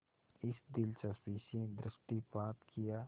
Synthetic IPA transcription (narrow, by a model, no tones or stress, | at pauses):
ɪsd̪ɪlt͡ʃaspiːʃẽd̪ɾɪʃʈipaːt̪kʰijaː